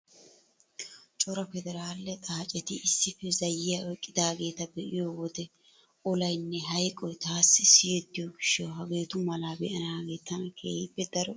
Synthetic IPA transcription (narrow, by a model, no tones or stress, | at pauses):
t͡ʃʼɔɾɐfɛd̪ɛɾaːlːɛt̪ʼaːt͡ʃʼɛt̪ɪʔɪsːɪfɛzɐjːɪjaɔjkʼːɪd̪aːɡe̞ːt̪ɐbɛʔɪjowɔd̪ɛ | ɔlɐjnːɛɦɐjkʼɔjt̪aːsːɪsɪjɛd̪ːɪjoɡɪʃːɔwɦɐɡe̞ːt̪ʊmɐlaːbɛʔɐnaːɡe̞ːt̪ːɐnɐkʰḛːhɪbːɛd̪ɐɾɔ